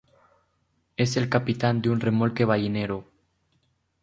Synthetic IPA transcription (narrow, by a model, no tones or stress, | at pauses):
eselkapit̪and̪unremolkeβ̞ajineɾo